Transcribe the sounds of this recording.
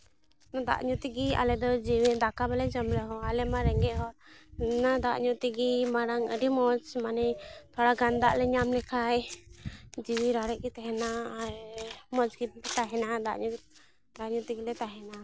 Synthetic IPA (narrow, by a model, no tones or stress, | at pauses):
nɔd̪a̰ʔɲut̪iɡia̰lɛd̪ɔd͡ʒiwid̪akabɛlɛd͡ʒɔmlɛɦɔalɛmaɾɛŋɡɛʔɦɔɾnad̪a̰ʔɲut̪iɡimaɾaŋə̰ɖimɔt͡ʃmanɛjt̪ʰɔɽaɡand̪aʔlɛɲamlɛkʰaj | d͡ʒiwiɾaɾɛʔ̚ɡit̪ɛɦɛna | mɔd͡ʒɡibit̪aɦɛnad̪a̰ʔɲu | d̪aʔɲut̪iɡilɛt̪aɦɛna